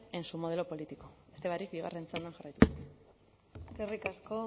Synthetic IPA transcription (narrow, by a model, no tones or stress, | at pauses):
ensumo̞ð̞elo̞po̞lit̪iko̞est̪e̞βaɾikbiɣ̞a̰rent͡send̪anʝarajt̪us | eskerikasko